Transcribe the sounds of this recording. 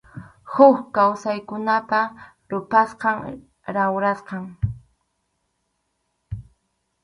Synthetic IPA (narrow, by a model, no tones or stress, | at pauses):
hʊkkawsajkʊnapa | ɾʊpasqɑŋ | ɾawɾasqɑŋ